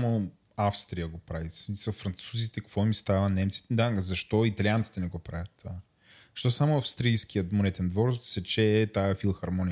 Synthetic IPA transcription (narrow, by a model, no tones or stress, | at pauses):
mo | afst̪ɾijəɡopɾavismisəfɾɐnt̪suzit̪ɛkɐkvɔimst̪avɐnɛmt̪si̥t̪ɛd̪aɡzɐʃt̪ɔit̪ɐliant̪si̥t̪ɛnɛɡɔpɾavʲɐt̪ːva | ʃt̪ɔsamoɐfst̪ɾijskijət̪monɛt̪ɛnd̪vɔɾsɛt͡ʃɛːt̪aɛfilˠxɐɾmɔnijə